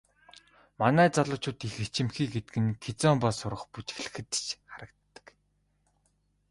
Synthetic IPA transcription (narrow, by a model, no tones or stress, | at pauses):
manæːt͡saɮʊːt͡ɕʊːt̪ixet͡ɕɪ̆mxiːɡet̪ɘ̆kɘ̆ŋkʰet͡sɔmpasʊɾə̆χput͡ɕx̆ɮɘ̆xɘ̆t̪t͡ɕχaɾə̆k̚t̪ːə̥̆k